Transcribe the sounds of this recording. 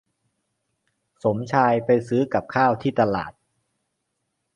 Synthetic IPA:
so˩˦mt͡ɕʰaː˧jpa˧jsɯː˦˥ka˨˩p̚kʰaː˥˩wt̪ʰiː˥˩t̪a˧la̰ː˨˩t̪̚

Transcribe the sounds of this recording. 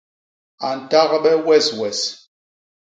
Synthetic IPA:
a˨n̩˨ta˦ɣɓɛ˦wɛ˦˨swɛ˨s

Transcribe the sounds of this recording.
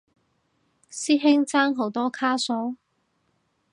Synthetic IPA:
siː˥ɦɪ˥ŋt͡saː˥ŋɦo˨˥wt̪ɔː˥kʰaː˥so˨˥w

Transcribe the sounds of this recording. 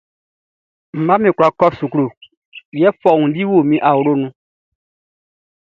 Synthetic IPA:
m̩˨mã˦mĩ˨kɾa˨kɔ˦su˨kɾo˨ | ɛ˦fɔ˨ŋũ˨˦di˦wo˦˨mĩ˦ʔa˨wo˨ɾo˦nũ˨˦

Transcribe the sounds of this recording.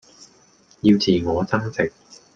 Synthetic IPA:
jiː˧wt͡sʰiː˨ŋɔː˨˧t͡sɐ˥ŋt͡sʰɪ˨k̚

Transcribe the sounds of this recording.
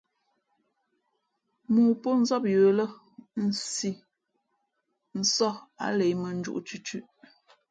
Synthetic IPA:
muː˨po˦n̩˦zɔ˦p̚jə˨lə˦ | n̩˨si˨ | n̩˨sɔ˦˨a̰˨le˨˦jmə˨n̩˦d͡ʒṵ˦ʔt͡ʃʉ˦t͡ʃʉ˦ʔ

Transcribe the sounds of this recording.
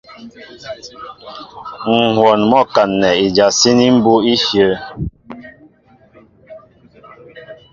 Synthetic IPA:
ŋ̩˨hwɔ˨nmɔ˦˨ka˨nːɛ˨i˨d͡ʒa˨si˦ni˦m̩˦bu˦i˦fjə˨˦

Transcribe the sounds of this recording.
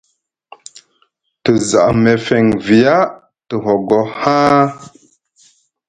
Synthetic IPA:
tə˨za̰˨ʔme˨fe˨ŋvi˨ja˦ | tə˨ɦo˨ɡo˨hã˦

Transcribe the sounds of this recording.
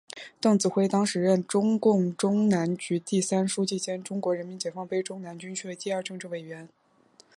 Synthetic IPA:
t̪ɤ˥˩ŋt͡sɹ̩˨˩xwe˥ɪt̪ɑ˥ŋʂɻ̩˨˩ɻə˥˩nʈ͡ʂʊ˥ŋkʊ˥˩ŋʈ͡ʂʊ˥ŋna˧˥nt͡ɕy˧˥t̪i˥˩sa˥nʂu˥t͡ɕi˥˩t͡ɕjɛ˥nʈ͡ʂʊ˥ŋkwɔ˧˥ɻə˧˥nmi˧˥nt͡ɕjɛ˨˩fɑ˥˧ŋpe˥ɪʈ͡ʂʊ˥ŋna˧˥nt͡ɕy˥nt͡ɕʰy˥˩ə˨˩t̪i˥˧ə˞˥˧ʈ͡ʂɤ˥˧ŋʈ͡ʂɻ̩˥˩we˨˩ɥɛ˧˥n

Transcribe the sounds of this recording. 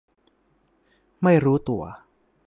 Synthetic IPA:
ma˥˩jɾuː˦˥t̪u˨˩ɐ

